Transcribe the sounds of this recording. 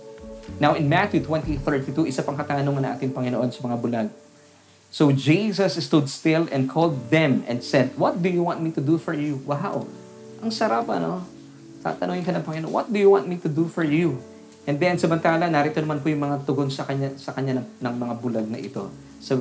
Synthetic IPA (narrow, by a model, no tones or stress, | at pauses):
nawʔɪnmat̪jut̪wɛ̃nt̪iθɛɹt̪it̪uʔɪsapɐŋkɐt̪aːnoŋɐnɐ̃ʔa̰ːt̪ɪŋpɐŋɪnoʔo̞nsɐmɐŋabʊlaɡ̚ | sod͡ʒisɐsst̪ud̪st̪ɪlɛ̰nd̪̚kʰold̪̚ːɛ̃mɛ̰̃nd̪sɛd̪wɔt̪̚d̪ʊjuwɑ̃nt̪mit̪ʊd̪ufɔɹjuwɐɦa̰w | ʔɐŋsɐɾapɐ̰no̞ | t̪a̰t̪ɐnoŋɪnkɐnɐŋpɐŋɪnoʔo̰nwʔɔ̰t̪̚d̪ʊjuwɑ̃nt̪mit̪ʊd̪ufɔɹju | ʔɛ̃nd̪ɛnsɐmɐnt̪aːlɐnaɾit̪onɐmanpʊjʊŋmɐŋat̪ʊɡonsɐkɐɲasɐkɐɲːanɐnɐŋmɐŋabʊlaɡ̚nɐ̰ʔɪ̰t̪o̰ | sɐ